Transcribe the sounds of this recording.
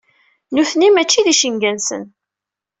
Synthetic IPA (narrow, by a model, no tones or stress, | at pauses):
nuθnimæt͡ʃːiðiʃəŋɡænsə̰n